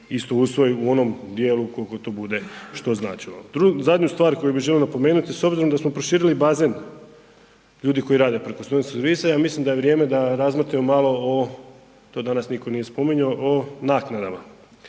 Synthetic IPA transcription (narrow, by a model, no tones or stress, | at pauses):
ist̪o̞usʋo̞juo̞no̞md̪jeːlukolkot̪o̞ːbud̪e̞ʃt̪o̞zna̰ːt͡ʃilod̪ɾuzad̪ɲust̪ʋaːɾko̞jubiʒelionapo̞me̞ːnut̪iso̞bziɾo̞md̪asmopɾoʃiːɾilibazen | ʎuːd̪iko̞iɾaːd̪e̞pɾe̞kosonsɾʋisajaːmislimd̪ajeʋɾje̞ːme̞d̪aɾazmrɾt̪imomalˠo̞o | t̪o̞ːd̪anasniko̞nije̞spo̞miɲoʔonaːknad̪ama